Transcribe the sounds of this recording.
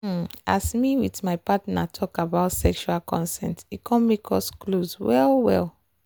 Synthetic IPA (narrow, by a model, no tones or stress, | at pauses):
a̰smiwiðmaɪpatnatʰɔkabaʊtsɛkʃualkʰɔ̰̃nsɛ̰̃ntit̚kʰɔ̃nmekʰɔskloswɛlˠwɛ̰l